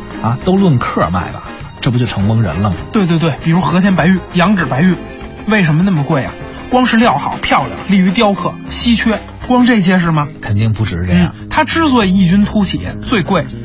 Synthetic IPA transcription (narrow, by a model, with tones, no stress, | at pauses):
a˧t̪o˥ʊlwə˥˧nkʰɤ̰˥˧ma̰˥˩ɪbɐ̰˩ | ʈ͡ʂɤ˥˩p̬u˧˥t͡ɕjo˥˩ʊʈ͡ʂʰɤ˧˥ŋkɤ˥ŋɻə̰˧˥nlɤ˥˩ŋt̪we˥˧ɪt̪we˥˧t̪we˥˩ɪpi˨˩ɻu˧˥ʂwxɤ˧˥t͡ɕʰjɛ˧˥npa˧˥ɪy˥˩jɑ˧˥ŋʈ͡ʂɻ̩˨˩pa˧˥ɪy˥˩ | we˥˩ɪʂ̬ə˧˥mə˧na˥˩mə˩kwe˥˩ɪɐ̰˩ | kwɑ˥ŋʂɻ̩˥˧ljɑ˥˩ʊxɑ˨˩ʊpʰjɑ˥˩ʊd̪ə̰˩li˥˩y˧˥t̪jɑ˥ʊkʰɤ˥˩ɕi˥t͡ɕʰɥɛ˥ | kwɑ˥ŋʈ͡ʂɤ˥˩ɕ̬jɛ˥ʂ̬ɻ̩˥˩mɐ˩kʰə˨˩nt̪i˥˩ŋpu˧˩ʈ͡ʂɻ̩˧˥˩ʈ͡ʂn̩̰˧˥˩t̪ʰa˥ʈ͡ʂɻ̩˥t͡swɔ˥˩ɪi˥˩t͡ɕy˥nt̪ʰu˥t͡ɕʰɛ̰˨˩˦t͡swe˥˧ɪkwe˥˩ɪ